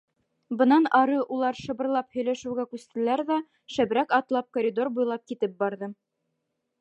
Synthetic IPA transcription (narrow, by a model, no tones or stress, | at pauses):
bɤ̆nɑnɑɾɤʔulˠɑɾʃɤ̆bɤ̆ɾlˠɑphɵ̆jlæʃʉwɡækʉst̪ɘ̆læɾðæ | ʃæbɾækɑt̪lˠɑp̚koɾʲid̪o̞rbujlˠɑp̚kit̪ɘp̚bɑɾðɤ